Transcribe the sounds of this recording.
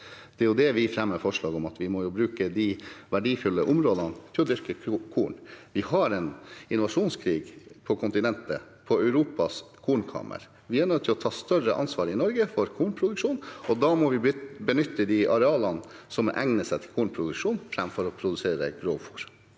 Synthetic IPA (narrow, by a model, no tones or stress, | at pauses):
d̪̥ɛjʊd̪ɛʋɪfɾɛmːəfɔʂɭɑːɡɔmɑt̪ʋɪmɔjʊbɾʉːkəd̪iʋæɖiːfʉlːəʔʊmɾoːd̪ɑnət̪ʰɪlɔd̪ʏɾkəkʰuːɳʋɪhɑɾɛnɪnʊʋɑʂuːnskʰɾiːɡpʰɔkʰʊnt̪ɪnɛnt̪ə | pʰɔœʉɾuːpɑskʰuːɳkʰɑ̰ːmʔə̰ɾ | ʋɪæɳœt̪ʰːɪlɔt̪ʰɑːst̪œrəʔɑ̰nsʋɑːɾɪnɔɾɡəfɔɾkʰuːɳpʰɾʊd̪ʉkʂuːnɔd̪ɑmɔʋɪbənʏt̪ːəd̪iʔɑɾɛɑːlɑn | sɔmʔɛŋnəsɛt̪ʰɪlkʰuːɳpʰɾʊd̪ʉkʂuːnfɾɛmfɔɾɔpʰɾʊd̪ʉseːɾə̰ɡɾoːfuːɾ